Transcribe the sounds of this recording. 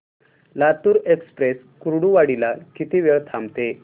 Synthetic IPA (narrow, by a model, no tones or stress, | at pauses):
lat̪uːɾekspɾes | kuɾɽuʋaɽilakit̪iːʋjeɭt̪ʰamt̪e